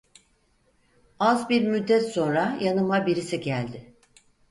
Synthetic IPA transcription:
azbiɾmyd̪ːɛt̪so̞nɾajanɯmabiɾisiɟælʲd̪ɪ

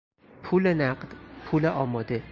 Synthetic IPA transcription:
pʰulenæqd̪̥pʰuleʔɒːmɒːd̪e

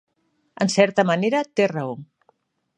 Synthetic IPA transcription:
ənsɛɾt̪amaneɾat̪eraoŋ

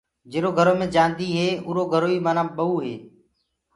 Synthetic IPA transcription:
d͡ʒeːɾoːɡʱəɾoːmẽːd͡ʒãːnd̪iːɦeːʊːɾoːɡʱəɾoːiːməːnãːɓəuːɦḛː

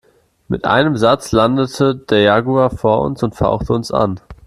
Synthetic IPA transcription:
mɪtʔa̰ɪnəmzat͡slandətʰəd̥eːɐjaːɡuafoːɐʔʊ̰nsʊntfa̰ʊxtʰəʊnsʔa̰n

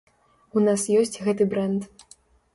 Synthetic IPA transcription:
unasjɔsʲt͡sʲɣɛt̪ɨbɾɛnt̪

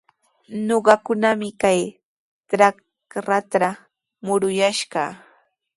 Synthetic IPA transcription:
noɢɑkʊnamɪkaj | t̪ɾa | kɾat̪ɾa | mʊɾʊjaʃɢɑ

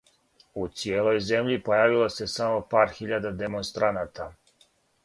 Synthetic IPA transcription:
ut̪sieːlo̞jze̞mʎipojaːʋilˠose̞samo̞paːɾxiʎad̪ad̪emonst̪ɾʔanaːt̪a

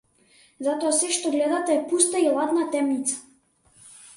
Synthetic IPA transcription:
zat̪ɔasɛʃt̪ɔɡlɛd̪at̪aɛpust̪ailˠad̪nat̪ɛmnit̪sḁ

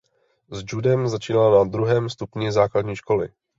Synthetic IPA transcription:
zd͡ʒudɛmzat͡ʃiːnalanad̪ɾuɦɛːmst̪upɲɪzaːkladɲiːʃko̞lɪ̰

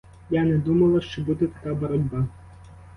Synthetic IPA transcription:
janɛd̪umɐlˠɐʃt͡ʃɔbud̪ɛt̪ɐkabɔɾɔdʲbɑ

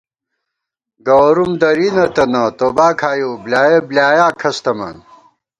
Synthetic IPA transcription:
ɡɐwɾumd̪ɐɾinɐt̪ɐnɐt̪oːbaːkʰaːjoːblʲaːjeblʲaːjaːkʰɐst̪ɐmɐ̰n

